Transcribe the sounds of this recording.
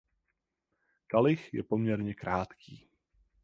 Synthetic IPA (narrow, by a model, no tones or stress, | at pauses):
kalɪxjɛ̰po̞mɲɛɾɲɛkɾaːt̪kʰiː